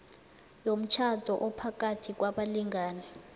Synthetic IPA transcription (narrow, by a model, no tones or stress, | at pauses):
jom̩t͡ʃʰad̥ʱɔʔɔpʰak̬ʼatʰik̬waɓaliŋaːnɛ